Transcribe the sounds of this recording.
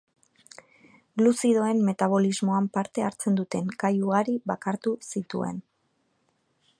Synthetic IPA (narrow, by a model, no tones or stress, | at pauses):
ɡlusiðo̞e̞mːe̞t̪aβ̞o̞lizmo̞ampaɾt̪e̞aɾt͡se̞nd̪ut̪e̞ŋkajuɣaɾiβakaɾt̪usit̪ṵe̞̰n